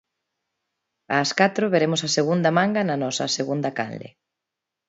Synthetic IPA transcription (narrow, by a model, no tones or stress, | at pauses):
aːskat̪ɾoβeɾemʊsɐseɣund̪ɐmãŋɡɐnɐnɔsɐ̰seɣund̪ɐka̰nlḛ